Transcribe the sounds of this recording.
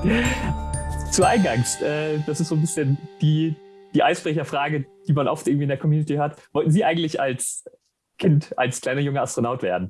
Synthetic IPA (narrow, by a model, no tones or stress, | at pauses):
t͡suʔaɪnɡaŋstʔɛːd̥asɪstz̥oːnbɪsçənd̥iːd̥iːʔaɪsb̥ʁ̥ɛçɐfʁ̥aːɡəd̥iːmanʔɔftʔɪɐɡ̩ŋ̩viːɪndeɐkʰɔmjuːnɪtʰihøːɐtvɔltn̩ziːʔaɪɡŋ̩tlɪça̰ls | kʰɪntʔa̰lskʰl̥aɪnɐjʊŋəastʁ̥onaʊtv̥ḛːɐdn̩